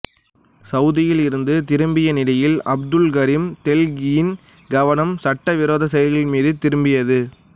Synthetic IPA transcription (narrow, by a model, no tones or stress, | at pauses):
sɐʊðɪjɪlɪɾɯnd̪ɯt̪ɪɾɯmbɪjɐnɪlɐjɪlɐb̚d̪ɯlɡɐɾimt̪ɛlɡɪjɪn | ɡɐʋɐnɐmsɐʈːɐʋɪɾoːðɐsɐjɐɾɣɪlmiːðɯt̪ɪɾɯmbɪjɐðɯ